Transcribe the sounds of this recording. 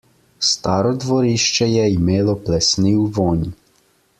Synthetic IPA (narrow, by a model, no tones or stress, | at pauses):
st̪aːɾɔd̪ʋɔɾiʃt͡ʃɛjɛimeːlɔplɛsniwʋɔːni